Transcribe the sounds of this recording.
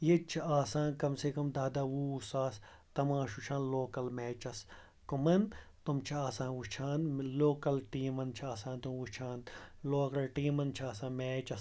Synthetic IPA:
jet͡ʃʰiaːsãːnkɐmsekɐmd̪aːd̪ɐwusaːs | t̪ɐmãːʃut͡ʃʰãːnloːkɐlmeːt͡ʃɐs | kumɐnt̪umt͡ʃʰɐaːsãːnut͡ʃʰaːnloːkɐlʈiːmɐnt͡ʃʰiaːsãːnt̪umut͡ʃʰaːnloːkɐlʈiːmɐnt͡ʃʰiaːsãːnmeːt͡ʃɐs

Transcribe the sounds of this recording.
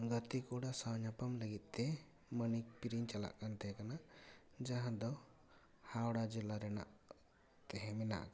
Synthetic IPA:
ɡət̪ikuɽasawɲapamləɡit̪̚ˀt̪ɛ | mənik̚piɾiɲt͡ʃala̰ʔkant̪ʰɛkanad͡ʒaɦãd̪ɔ | hawɽad͡ʒɛlaɾɛna̰ʔ | t̪ɛɦɛ̃mɛna̰ʔk

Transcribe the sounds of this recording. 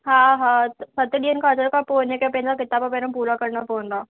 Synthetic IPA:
ɦãːɦãːsɐt̪ɗiːənkaːd͡ʒəɾkapoːnekepẽːnd̪akɪt̪aːbapeːnãpuːɾakɐɾnapõːnd̪aː

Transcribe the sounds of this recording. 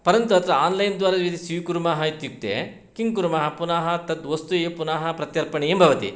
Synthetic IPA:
pɐɾɐnt̪uɐt̪ɾɐaːnlɐjnd̪ʋaːɾɐd̪ʋit̪isiʋkuɾumaːɦɐit̪juk̚t̪ḛ | kiŋɡkuɾumaːɦɐpunaːɦɐt̪ɐd̪ʋɐst̪ujeːpunaːɦɐpɾɐt̪jɐɾpɐɳejembʱɐʋɐt̪ḭ

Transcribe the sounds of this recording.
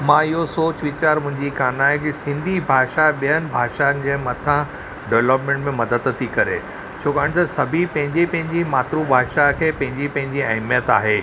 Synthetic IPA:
mãːɪɦosoːt͡ɕʋɪt͡ɕaːɾmʊ̃ɦɪ̃ɲd͡ʑikaːnaːɦekɪsɪ̃nd̪ʱibʱaːʃaɓijənɪ̆bʱaːʃanɪ̆d͡ʑemɐt̪ʰã | ɖeʋləpmẽɳʈmẽmɐd̪əd̪t̪ʰːikɐɾḛ | t͡ɕʰoːkaːɽ̃ɪt̪ɐsɐbʱipɐ̃ɦɪ̃ɲd͡ʑepɐ̃ɦɪ̃ɲd͡ʑimaːt̪ɾũbʱaːʃakʰeːpɐ̃ɦɪ̃ɲd͡ʑipɐ̃ɦɪ̃ɲd͡ʑiɐɦmijət̪a̰ːɦeː

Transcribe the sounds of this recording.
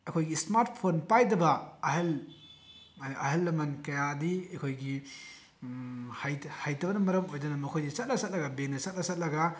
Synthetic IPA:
ɐkʰojɡismaɾt̚pʰonpajdɐbɐɐɦel | ʔɐɦɐlːɐmɐnkɐjadiɐkʰojɡi | hajhajtɐbɐnɐmɐɾɐmojdɐnɐmɐkʰojdisɐt̚lɐsɐt̚lɐɡɐbeŋnɐsɐt̚lɐsɐt̚lɐɡɐ

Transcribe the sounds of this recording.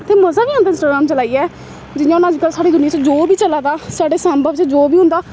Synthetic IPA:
t̪ʰeːməzaːbiːãnd̪aɪ̃nsʈaːɡɾaːmt͡ʃəlaːiːɛː | d͡ʒɪjãʊnãːd͡ʒkəlsaːɽeːd̪ʊnɪjãt͡ʃd͡ʒoːbiːt͡ʃəlaːd̪aːsaːɽeːsãːmbʱəbt͡ʃd͡ʒoːbiːɦʊ̃nd̪aː

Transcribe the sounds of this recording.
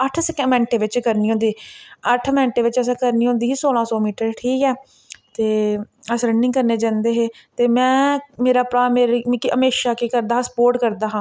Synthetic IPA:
əʈʰsəkɛ̃ːmɛ̃ːɳʈeːʋɪt͡ʃkəɾniːɦõːnd̪iːəʈʰmɛ̃ːɳʈeːʋɪt͡ʃəs̬ãːkəɾniːɦõːnd̪iːɦiːsoːlãːsɔːmiːʈəɾʈʰiːkɛː | t̪eː | əsɾənɪ̃ŋɡkəɾneːd͡ʒãːnd̪eːɦeːt̪eːmɛ̃ːmeːɾaːpɾaːmeːɾkəmeːʃaːkeːkəɾd̪aːsə̥poːɾʈkəɾd̪aːɦãː

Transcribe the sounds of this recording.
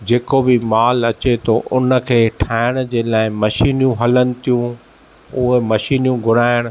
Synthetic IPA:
d͡ʑeːkobɪmaːlɐt͡ɕet̪ʰoʔʊnə̆kʰeːʈʰaːɪɽ̃d͡ʑeːlaːɪmɐʃiːnjũɦɐlənɪ̆t̪ijũ | ʊɦemɐʃiːnjũɡʱʊɾaːɪəɽ̃

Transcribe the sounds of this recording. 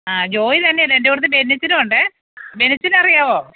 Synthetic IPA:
aːd͡ʑo̞ːjit̪ɐnːelendeuɽt̪ːɨbe̞nːit͡ɕːinɨʋɐɳɖɨ | be̞nit͡ɕːinɐrijaːʋo̞ː

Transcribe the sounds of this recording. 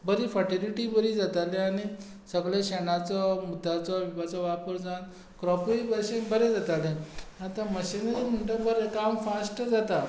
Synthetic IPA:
bəɾifəʈiliʈibəɾiːd͡zat̪alẽaɽ̃i | səɡlaɕɛnat͡sɔmud̪ʱːat͡sɔʋiʋat͡sɔʋapəɾd͡zan | kɾɔpibəɕẽbəɾed͡zat̪alẽat̪ãməɕineim̤əɳʈəbəɾekamfasʈəd͡zat̪a

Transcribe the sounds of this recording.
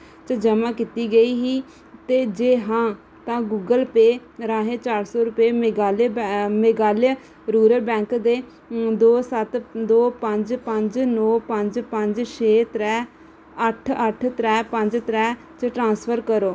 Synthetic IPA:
t͡ʃəd͡ʒəmãːkit̪iːɡəiːɦiː | t̪eːd͡ʒeːɦãː | t̪ãːɡuːɡəlpeːɾaːɦeːt͡ʃaːɾsɔːɾʊpeːmeɡaːlemeɡaːl | ɾuːɾəɾbɛ̃ːŋkd̪eː | d̪oːsət̪d̪oːpəɲd͡ʒpəɲd͡ʒnoːpəɲd͡ʒpəɲd͡ʒʃeːt̪ɾɛː | əʈʰəʈʰt̪ɾɛːpəɲd͡ʒt̪ɾɛː | t͡ʃʈɾãːspʰəɾkəɾoː

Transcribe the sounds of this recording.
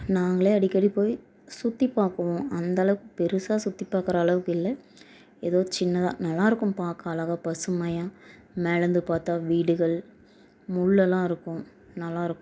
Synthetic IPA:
naːŋɡɐɭeːɐɽɪkːɐɽipoːj | sʊt̪ːipaːkɐʋõɐnd̪ɐːɭɐʋɯkːɯpɛɾɯsaːsʊt̪ːipːaːkɪɾɐːɭɐʋɯkɪlːɐ | ɛðoːt͡ʃɪnːɐðã̰ːnɐlːaːɪɾɯkːɯ̃mpaːkɐɐlaːɣapɐsɯmɐjãːmɛɻɐnd̪ɯpaːɾt̪aːʋiːɽɯɣɐɭ | mʊɭːɛlːãːɪɾɯkːʊ̃ | nɐlːãːɪɾɯkːʊ̃

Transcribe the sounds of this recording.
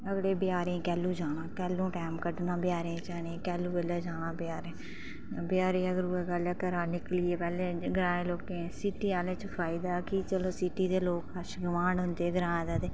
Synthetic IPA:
əɡɽeːbɪjaːɾẽːkɛːlːuːd͡ʒaːnãːkɛːlũːʈɛːmkəɖnaːbɪjaːɾẽːt͡ʃaːnẽːkɛːluːbəleːd͡ʒaːnãːbɪjaːɾẽː | bɪjaːɾẽːəɡəɾuːɛːɡəlaːkəɾaːnɪklɪːeːpɛːlẽːɡəɾãːẽːloːkẽːsiːʈiːaːlẽːt͡ʃəpʰaːɪd̪aːkit͡ʃəloːsiːʈiːd̪eːloːkəʃɡəmãːɳɖɦʊnd̪eːɡəɾãːd̪aːd̪eː

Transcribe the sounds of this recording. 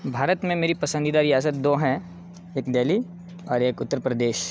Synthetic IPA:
bʱaːɾət̪mẽmeːɾipɐsə̃nd̪id̪aːɾiaːsət̪̚d̪oːɦɛ̃ | eːkd̪eːli | ɔːɾeːkʊt̪ːəɾpɾəd̪eːʃ

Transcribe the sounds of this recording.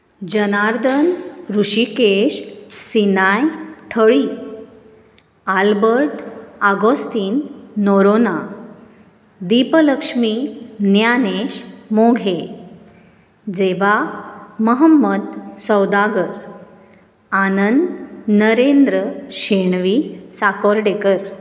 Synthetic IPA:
d͡ʑənaɾd̪ʱənɾuɕikeɕsinajt̪ʰəɭiː | albəɾʈaɡost̪iːnːoɾona | d̪ipələkʂminjaneɕmoɡʱe | d͡zeʋaməɦəmːəd̪səwd̪aɡəɾ | anənd̪nəɾend̪ɾəɕeɳʋisakɔɾɖekəɾ

